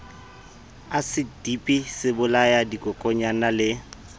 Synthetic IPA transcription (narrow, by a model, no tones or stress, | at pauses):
asɪd̥ipʼisɪbʊlajadikʼɔkʼɔɲanalɪ